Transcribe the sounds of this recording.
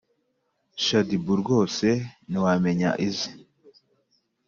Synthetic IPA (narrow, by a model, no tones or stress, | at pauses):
ʃadibuɾɡo̞ːse̞niwame̞ɲa̰ʔizi